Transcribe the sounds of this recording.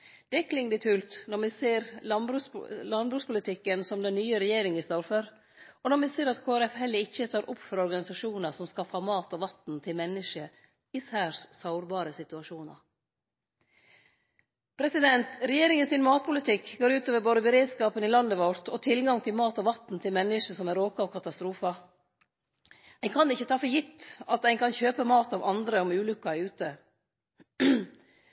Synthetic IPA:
d̪̥ɛkʰlɪŋd̪ɪt̪ʰʉːlt̪nɔɾmɪseːɾɑbɾʉːslɑnbɾʉːspʊlɪt̪ʰɪkːənsɔmd̪ɛnnːyːəɾɛjeːɾɪŋəst̪oːɾføɾ | ɔnɔɾmɪseːɾɑt̪kʰoːæɾɛfhɛlːəɪçːəst̪oːɾʔʊpfɔɾɔɾɡɑnɪsɑʂuːnəsɔmskɑfɑmɑːt̪ɔʋɑt̪n̩t̪ʰɪlmɛnːəʂə | ɪsæːɾssɑʊɾbɑːɾəsɪt̪ʉɑʂuːnɑ̰ɾ | pʰɾɛsɪd̪ɛnt̪ɾɛjeːɾɪŋənsɪnmɑːt̪̚pʰʊlɪt̪ʰɪkːɡoːɾʉːt̪oːʋəɾboːd̪əbəɾeːd̪skɑːpənɪlɑnd̪əʋɔɾt̪ʰɔt̪ʰɪlɡɑŋt̪ʰɪlmɑːt̪ɔʋɑt̪n̩t̪ʰɪlmɛnːəʂəsɔmæɾoːkɑʋkʰɑt̪ɑst̪ɾuːfɑ | æɪkʰɑnɪçːət̪ʰɑːfɔɾjɪt̪ːɑt̪æɪnkʰɑnçøːpəmɑːt̪ɑʋɑnd̪ɾəɔmʉːlʉkːɑʉːt̪ə

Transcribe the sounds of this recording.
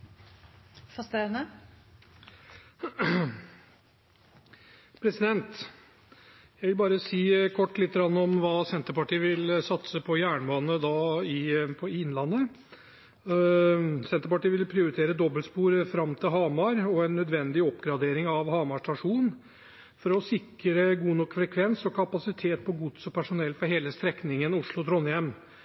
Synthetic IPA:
fɑst̪enə | pʰɾɛsɪd̪ɛnt̪ | jæɪʋɪlbɑːɾəsiːkʰɔʈːlɪt̪ːəɡɾɑnːɔmʋɑːsɛnt̪əɾpɑʈiːʋɪlsɑt̪səpʰɔjæːɳboːnəd̪ɑːɪpʰɔɪɪnlɑnːə | sɛnt̪əɾpɑʈiːʋɪlpʰɾɪʊɾɪt̪ʰeːɾəd̪ɔbːəlspuːɾfɾɑmt̪ʰɪlɦɑːmɑɾɔɛnːœd̪ʋɛnd̪ɪɔpɡɾɑd̪eːɾɪŋɑʋhɑːmɑʂʈɑʂuːnnn | fɔɾɔsɪkːɾəɡuːnɔkːfɾɛkʰʋɛnsɔkʰɑpɑsɪt̪ʰeːt̪̚pʰɔɡʊd̪sɔpʰæʂʊnɛlːfɔɾɦeːləst̪ɾɛknɪŋənʊʂɭʊt̪ʰɾɔnːjɛmn

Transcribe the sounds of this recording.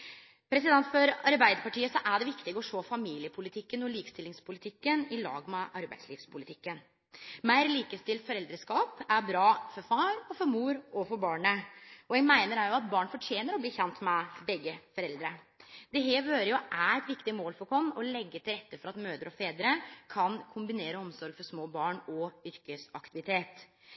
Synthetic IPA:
pʰɾɛsɪd̪ɛnt̪fɔɾɑɾbæɪd̪əɾpɑʈʰiːəsɔʔæɖɛʋɪkt̪ɪɡəɔʂoːfɑmiːlɪəpʰʊlɪt̪ʰɪkːənɔliːkst̪ɪlːɪŋspʊlɪt̪ʰɪkːənɪlɑ̰ːɡmɛʔɑɾbæɪd̪sliːfspʰʊlɪt̪ʰɪkːən | mæɪɾliːkəst̪ɪlt̪fɔɾɛld̪ɾəskɑːpæɾbɾɑːfɔɾfɑːɾɔfɔɾmuːɾɔfɔɾbɑːɳəɔɛɡmæɪnəɾæɾjʊɑt̪̚bɑːɳfɔʈʰjeːnəɾɔbliːçɛnt̪mɛbɛɡːəfɔɾɛld̪ɾə | d̪̥ɛɦeːɾʋøːɾəjʊʔæɾɛt̪ʋɪkt̪ɪmoːlfɔɾkʰɔmːɔlɛɡːət̪ʰɪlɾɛt̪ːəfɔɾɑt̪møːd̪əɾɔfeːd̪ɾəkʰɑnkʰʊmbɪneːɾəɔmsɔɾɡfɔʂmoːbɑːɳɔʏɾkəsɑkt̪ɪʋɪt̪ʰeːt̪

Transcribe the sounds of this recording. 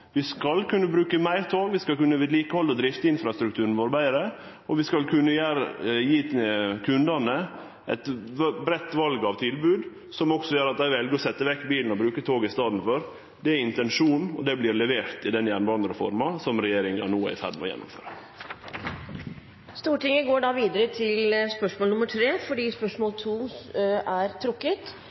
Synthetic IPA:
ʋɪskɑlkʉnːəbɾʉːkəmæɪɾt̪ʰoːɡʋɪskɑlkʉnːəʋɪːd̪liːkəhɔlːɔd̪ɾɪft̪əɪnfɾɑst̪ɾʉk̚t̪ʰʉːɾən̩ʋoːɾbæɪɾə | ɔʋɪskɑlkʰʉnːəjæɾjiːkʰʉnd̪ɑnə | ʔɛ̰t̪bɾɛt̪ːʋɑlɡɑʋt̪ʰɪlbʉːd̪ | sɔmɔksɔjøːɾɑt̪æɪʋɛlɡəɾɔsɛt̪ːəʋɛkːbiːln̩ɔbɾʉːkət̪ʰoːɡɪst̪ɑːd̪n̩fɔɾ | d̪ɛæɾɪnt̪ɛnʂuːnɔ̰d̪ɛblɪɾlɛʋeːɾt̪ɪd̪ɛnjænʋɑːnd̪əɾəfɔɾmɑsɔmɾɛjeːɾɪŋɑ̰nuːæ̰ɪsæ̰d̪mɔ̰jɛ̰nːʊ̰mfø̰ːɾə | st̪uːʈɪŋəɡoːɖɑːʋiːd̪əɾət̪ʰɪlspœʂmoːlnʊmːəʈʰɾeːfɔɖiːspœʂmoːlt̪ʰuː | æɾt̪ʰɾʊkːət̪

